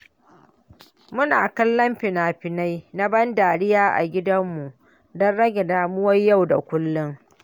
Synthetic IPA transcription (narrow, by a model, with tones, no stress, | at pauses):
mʊ˦naː˨kɐ˦lːɐ˦mɸɪ˨naː˨ɸɪ˨na˦jna˦bɐ˦ndaː˨ɽɪ˦jaː˦ʔa̰˨ɡʲɪ˦dɐ˦mːu˨ʔ | dɔ˦nɽɐ˦ɡʲɛ˨daː˨mʊ˦wɐ˦jjːa˦˨wda̰˨kʷʊ˦lːʊ˦ŋ